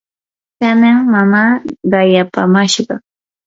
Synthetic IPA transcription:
kanaŋmamaɢɑjapamaʃɢɑ

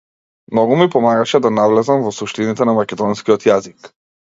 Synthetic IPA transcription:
mnɔɡumipɔmaɡaʃɛd̪anavlɛzamvɔsuʃt̪init̪ɛnamakʲɛd̪ɔnskiɔt̪jazik

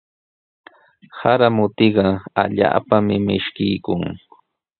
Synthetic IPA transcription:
haɾamʊt̪ɪɢɑaʎa̰ːpamɪmɪʃkɪjkʊŋ

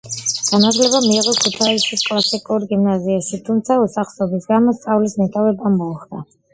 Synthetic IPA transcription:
ɡ̥anazlɛbamiːʁɔkʰut̪ʰaisiskʼlˠasikʼuɾɡimnaziaʃit̪ʰumt̪sʰausaχsɔbisɡamɔst̪sʼavlismɛt̪ʼavɛbamɔχd̪̥a

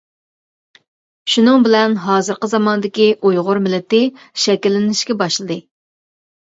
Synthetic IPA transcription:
ʃunɨŋbɪlɛnɦɑːzɨɾqəzɑmɑnɨd̪ɪkʲiʔojʁʊɾmɪlːɪt̪ɪ | ʃɛkʲilːɪnɪʃkʲɛbɑʃlˠɨd̪ɨ

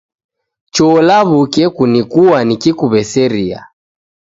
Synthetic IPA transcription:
t͡ʃɔlaβukɛkunikuwanikikuβɛsɛɾia̰

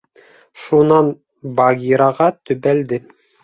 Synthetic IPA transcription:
ʃunɑn | bɑɡʲiɾɑʁɑt̪ɵ̆bæld̪ɘ

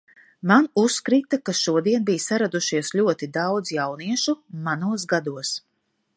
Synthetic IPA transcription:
manuskɾiːt̪akaʃuɔd̪iɛnbijsaɾad̪uʃiɛslʲuɔt̪id̪awd̪zjawniɛʃumanuɔs̬ɡad̪uɔs

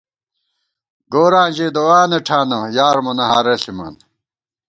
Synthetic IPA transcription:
ɡoːɾãːnd͡ʑeːd̪owaːneʈʰaːnɐjaːɾmɐnɐɦaːɾɐɬimɐ̰n

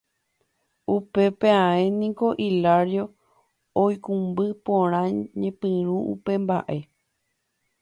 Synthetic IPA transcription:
upe̞peãẽnĩko̞ʔilaɾjo̞ | ojkũmbɨpõɾ̃ãɲẽpɨ̃ɾ̃ũṵpe̞mba̰ʔe̞

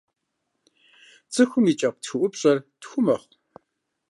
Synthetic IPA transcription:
t͡sʰʼɨxʷʊmit͡ʃʼɐq̚ʷtxɨʔʷʊpɕʼɐrtxʷʊmɐχʷ

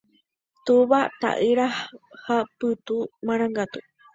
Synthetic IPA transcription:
t̪uβat̪a̰ʔɨɾahhapɨt̪umãɾ̃ãŋɡat̪u

